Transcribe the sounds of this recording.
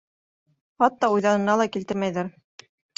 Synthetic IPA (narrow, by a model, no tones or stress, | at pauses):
χɑt̪ːɑujðɑnɤ̆nɑlˠɑkilt̪ɘɾmæjðæɾ